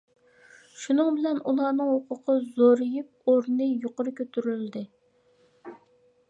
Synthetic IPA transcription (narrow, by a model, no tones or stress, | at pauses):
ʃunɨŋbɪlɛnulˠɑːnɨŋhoqʰʊqʰəzoɾɨjip̚oɾnɨjoqʊɾɨkʲʰøt̪ʰyɾyld̪ɪ